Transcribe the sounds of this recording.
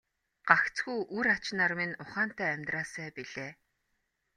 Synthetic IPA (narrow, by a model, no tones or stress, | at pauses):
ɢ̥axt͡sɡujʔuɾat͡ɕnaːrmĕnʊχaːn̥t̪æːæmʲt̪raːsæːpiɮeː